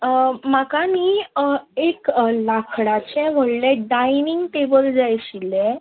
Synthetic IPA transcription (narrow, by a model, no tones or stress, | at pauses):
makamiːeklakʰɽat͡ɕɛ̃ʋ̤əɽlɛ̃ɖajniŋɡʈebəld͡zajɕilɛ̃